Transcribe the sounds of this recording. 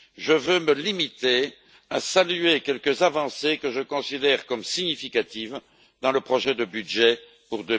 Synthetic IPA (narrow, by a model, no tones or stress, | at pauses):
ʒəvøməlimit̪e | asalyekʲɛlkəzavɑ̃sekəʒəkɔ̃sid̪ɛʁkɔmsiɲifikat̪iv | d̪ɑ̃ləpχɔʒɛd̪əbyd̪ʒɛ | puʁd̪ə